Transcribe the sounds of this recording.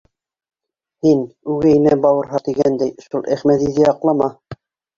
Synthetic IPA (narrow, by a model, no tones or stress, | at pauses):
hinʉɡæjnæbɑwɤ̆ɾɦɑt̪iɡænd̪æjʃulˠʔæχmæt̪iðæɑqlˠɑmɑ